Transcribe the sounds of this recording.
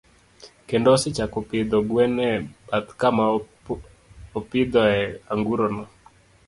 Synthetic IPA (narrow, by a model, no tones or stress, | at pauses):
kendɔsɪt͡ʃakopɪd̪ɔɡwɛnɛbat̪kama | opɪd̪ɔɛaŋɡuɾɔnɔ